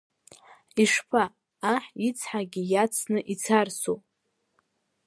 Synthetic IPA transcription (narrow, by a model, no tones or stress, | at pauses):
iʂpʰaː | ħit͡sʰħaɡʲijat͡sʰnɨʔit͡sʰarso